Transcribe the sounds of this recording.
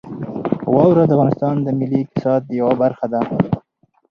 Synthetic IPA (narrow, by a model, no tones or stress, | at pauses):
wɑwɾad̪əafɣɑnɪst̪ɑnd̪əmɪlikɪ̥sɑd̪jawabaɾxad̪a